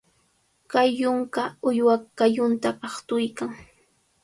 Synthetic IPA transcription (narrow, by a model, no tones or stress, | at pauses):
kajːʊŋkaʊjwakːajʊnt̪aʔɑχt̪ʊjkaŋ